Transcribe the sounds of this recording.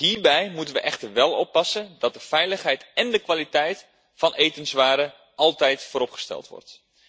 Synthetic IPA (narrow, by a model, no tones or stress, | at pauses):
hiːɹbɛjmutənʋəʔɛxtəɹʋɛlˠɔpːɑsəndɑt̚dəfɛjləχɦɛjtɛndəkʋalitɛjt | fɑnʔejtənsʋaːɾə | ɑlˠtɛjtfoːɾɔpχə̥stɛ̰lˠtʋɔ̰rt